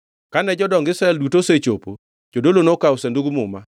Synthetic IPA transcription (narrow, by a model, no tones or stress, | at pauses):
kanɛd͡ʒɔdɔŋɡɪsɾaɛldutoset͡ʃopo | d͡ʒodolonokausenduɡmʊ̰ma